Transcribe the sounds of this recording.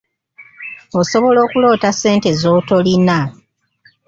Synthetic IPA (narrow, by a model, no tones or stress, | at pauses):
oso̞βo̞lo̞ːkulo̞ːtase̞ːnte̞zoːto̞lina